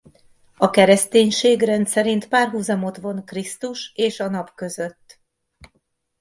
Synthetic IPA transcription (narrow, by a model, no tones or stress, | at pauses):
ɒkɛɾɛst̪eːɲʃeːɡrɛnt̪sɛɾint̪paːrɦuːzɒmo̞t̪ʋo̞nkrist̪uʃeːʃɒnɒpkø̞zø̞t̪ː